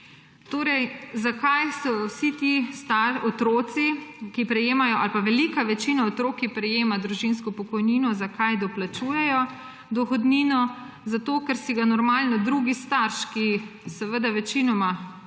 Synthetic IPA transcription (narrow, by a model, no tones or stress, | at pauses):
t̪oːɾɛjzakajsɔwsit̪ist̪aɾɔt̪ɾoːt̪sikipɾɛjeːmajɔʔalpaʋɛlikaʋɛt͡ʃinaot̪ɾoːkipɾɛjeːmad̪ɾuʒinskɔpɔkɔjniːnɔzakajd̪ɔplat͡ʃuːjɛjɔ | d̪ɔxɔd̪niːnɔ | zat̪oːkɛɾsiɡanɔɾmaːlnɔd̪ɾuɡist̪aɾʃkisɛʋəd̪aʋɛt͡ʃinɔma